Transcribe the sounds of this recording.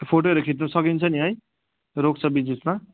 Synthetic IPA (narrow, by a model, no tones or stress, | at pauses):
pʰoʈoʌɾekʰiʈ̬nusʌkint͡sʰʌniɦʌj | ɾok̚t͡sʰʌbid͡zisma